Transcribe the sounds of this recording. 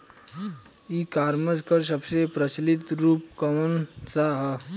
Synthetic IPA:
ikaːɾməd͡ʒkəɾs̬əbsepɾət͡ʃlɪt̪ɾuːpkɐmənsaɦə

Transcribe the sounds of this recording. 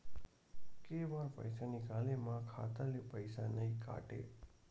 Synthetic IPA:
keʋaɾpə̰jsanikalemãkʰa̰t̪alepəjsanəɦĩka̰ʈḛ

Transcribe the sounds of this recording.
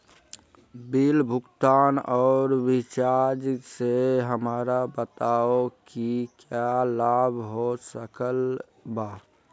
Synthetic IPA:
bilbʱʊkt̪anɔːɾʋit͡ʃad͡ʒseɦəmaɾabət̪aokikjalabʱɦosəkəl | ba

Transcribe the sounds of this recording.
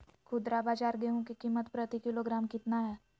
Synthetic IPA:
kʰʊd̪ɾabaːd͡ʒaːɾɡeɦõkikiːmːət̪pɾət̪ikɪloɡɾaːmkɪt̪naɦɛː

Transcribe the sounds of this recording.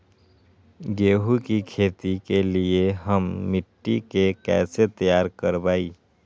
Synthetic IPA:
ɡeːɦukikʰeːt̪ikelieɦəmːɪʈːikekɛ̰ːset̪əjaːɾkəɾbaːi

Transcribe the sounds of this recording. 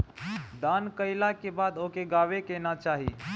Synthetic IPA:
d̪aːnkəɪlakebaːd̪okeɡaːʋekeːnat͡ʃaːɦi

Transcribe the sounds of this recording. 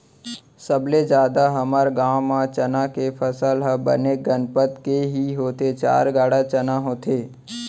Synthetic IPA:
səbled͡ʒjaːd̪aɦɐməɾɡaːmːãt͡ʃənakepʰəsəlɦəbə̰neɡənpət̪keɦiɦoːt̪et͡ʃa̰ːɾɡaːɽat͡ʃənaɦoːt̪ʰeː

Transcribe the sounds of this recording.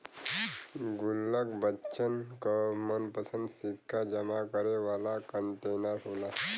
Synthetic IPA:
ɡʊlːəkbətːʃənkɔmənpəsə̃nd̪sipkad͡ʒəmakəɾeʋaːlakəɳʈeːnəɾɦoːla

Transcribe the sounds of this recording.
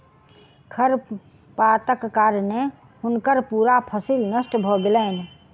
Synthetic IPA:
kʰəɾ | pat̪əkːaɾne | ɦʊnkəɾpuːɾapʰəsilnəsʈbʱɔɡelən

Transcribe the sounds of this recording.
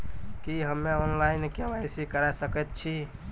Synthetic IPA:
kiɦəmːeɔnlaɪnkeʋajsikəɾasəkɛt̪̚t͡ʃʰi

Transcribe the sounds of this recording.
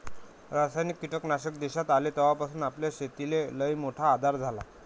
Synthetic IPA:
ɾasajnikːiʈəknaɕəkd̪eɕat̪alet̪əʋapasuːnapljaɕet̪ileləjmoʈʰaːd̪ʱaɾd͡zʱala

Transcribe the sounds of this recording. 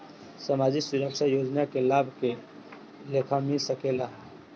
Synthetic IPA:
samad͡ʒiksuɾəkʃʰajod͡ʒnakelabʱke | lekʰamilsəkelaɦ

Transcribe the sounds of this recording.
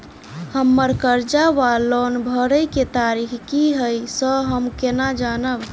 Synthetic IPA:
həmːəɾkəɾd͡ʒaʋalɔnbʱəɾəjket̪aɾikʰkiɦəjsəɦəmkenad͡ʒanəb

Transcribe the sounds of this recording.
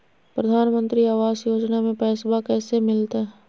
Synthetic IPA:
pɾəd̪ʱaːnmə̃nt̪ɾiaːʋaːzjoːd͡ʒnamẽpɛːsbakɛːsemɪlt̪aɦɛ

